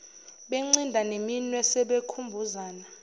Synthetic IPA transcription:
ɓɛŋ͡ǀindʱaneminwɛsɛɓekʰumbʱuzaːna

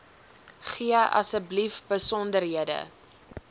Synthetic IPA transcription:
χiəɐ̰səblifbəsɔndərɦiədə̰

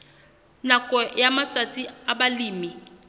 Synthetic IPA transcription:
nakʼɔjamat͡sʼat͡sʼiabaliːmi

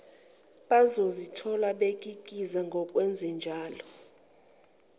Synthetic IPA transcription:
ɓazozitʰɔlaɓek̬ʼik̬ʼizaŋɡʱɔk̬ʼwɛnd͡zʱɛnd͡ʒʱaːlɔ

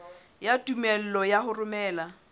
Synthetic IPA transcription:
jatʼumɛl̩lɔjaɦʊrʊmɛːla

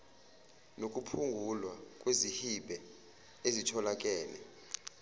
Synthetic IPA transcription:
nok̬ʼupʰuŋɡʱulwakʼwezihiɓʱɛ | ezitʰɔlak̬ʼɛːlɛ̰

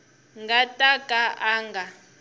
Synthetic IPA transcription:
ŋɡatʼakʼaʔaːŋɡʱa

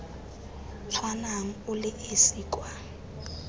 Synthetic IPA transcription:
t͡sʰwanam̩ʊlɪʔesiːkʼwa

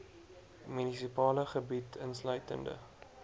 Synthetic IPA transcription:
mynisipɑːləχəbitʰənslœɥtə̰ndə̰

